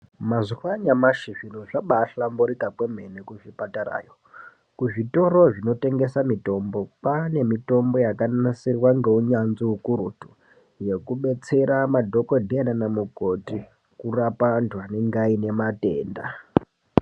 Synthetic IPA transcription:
mazuwaɲamaʃiʐinoʐaɓaːɬamboɾikakwem̤enekuʐipataɾa̰ːjo | kuʐito̞ɾoʐino̞te̞ŋɡe̞samito̞mbo̞pane̞mito̞mbo̞jakanasirwaŋɡe̞uɲanziukuɾutu̥ | je̞kuɓe̞t͡se̞ɾamadʱo̞kodʱeananamuko̞ti | kurapantwaneŋɡaine̞mate̞ːnda̰

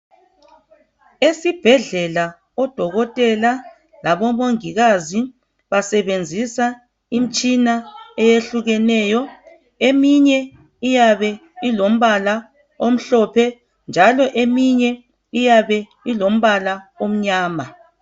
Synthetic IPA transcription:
esib̥ʱɛɮɛla | ɔd̥ʱɔɣɔtʼɛla | laβɔmoŋiɣazi | βasɛβend͡zʱisa | im̩t͡ʃʼinaɛjeɬuɣɛnɛːjɔ | emiɲɛ | ijaβɛilom̩βala | om̩ɬɔpʰɛ | nd͡ʒʱalɔʔemiɲɛ | ijaβɛ | ilom̩βalaom̩ɲaːma

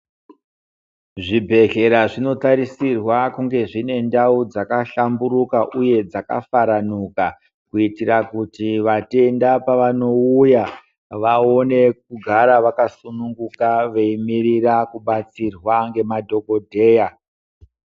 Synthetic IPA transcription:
ʐibʱe̞ɬe̞ɾaʐino̞taɾisirwakuŋɡe̞ʐine̞ndaud͡zakaɬambuɾukaʔuje̞d͡zaka̰faɾanuka | kuitirakutiʋate̞ndapaʋano̞uja | ʋao̞ne̞k̚uɡʱaɾaʋakasunuŋɡukaʋeimirirakuɓat͡sirwaŋɡe̞madʱo̞ɡo̞dʱe̞ːja

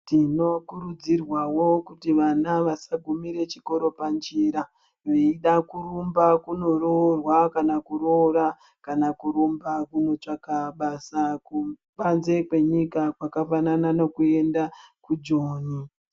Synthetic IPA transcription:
tino̞kuɾud͡zirwawo̞kutiʋanaʋasaɡʱumiɾe̞t͡ʃi̥ko̞ɾo̞pand͡ʒiːɾa | ʋeiɗakurumbakuno̞rorwakanakurora | kanakuɾumbakuno̞t͡ʃakaɓasaku | ɓanze̞kwe̞ɲikakwakafanananokue̞ndakud͡ʒoːɲi

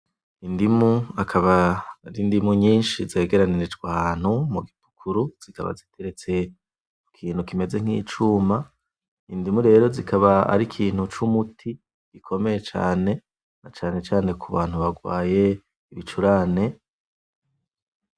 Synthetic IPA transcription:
indimuakʰaβaɾindimuɲiːnʃize̞ːɡe̞ɾaniɾid͡ʒɡwahaːn̥humuɡipu̥kʰuɾuz̥ika̰βa̰zitʰe̞ɾet͡se̞ | ukʰiːn̥hukime̞ze̞ŋ̥hḭːt͡ʃuːma | indimuɾe̞ːɾo̞zikaβaa̰ɾikʰiːn̥hut͡ʃumutʰi | ɡ̥ikʰo̞me̞je̞t͡ʃa̰ːne̞ | nat͡ʃaːne̞t͡ʃaːne̞kʰuβaːn̥huβaɡwa̰ːje̞ | iβit͡ʃuɾane̞

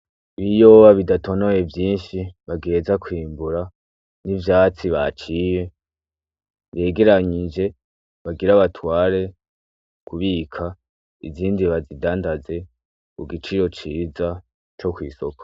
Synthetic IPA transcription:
βijoβaβidato̞no̞je̞vjiːnʃiβaɡe̞ːzakwiːmbuɾa | nivjaːt͡siβa̰t͡ʃije̞ | βe̞ːɡe̞ɾaɲid͡ʒe̞ | βaɡiɾaβatwaːɾe̞ | kuβikʰa | iziːndiβazidaːndaze̞ | kuɡit͡ʃiɾo̞t͡ʃiːza | t͡ʃo̞kwḭːso̞kḁ

